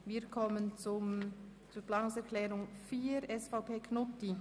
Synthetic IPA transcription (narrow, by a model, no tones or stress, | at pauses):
viːkʰɔmənt͡sʊmt͡suːplaːnʊŋsɛʁkʰlɛːʁʊŋfiːɾɛsfaʊpʰeːkʰnʊti